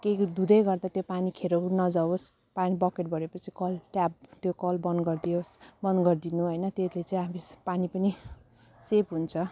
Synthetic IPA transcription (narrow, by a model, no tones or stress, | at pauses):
ked̪ud̪ʌjɡʌrd̪at̪jopanikʰeɾokunʌd͡zawos | panibʌkeʈ̚bʌɾepʌt͡sʰi̥kʌlʈap̚t̪jokʌlbʌnɡʌrd̪ijosbʌnɡʌrd̪inuɦʌjnʌt̪eslet͡sʌĩamipanipʌni | sepɦunt͡sʰʌ